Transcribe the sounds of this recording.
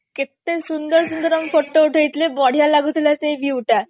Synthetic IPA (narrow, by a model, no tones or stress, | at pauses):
kit̪ːesund̪əɾsund̪əɾamfoʈouʈʰəit̪lebɔɽ̤jalaɡʱut̪ljat͡seiʋjiwʈa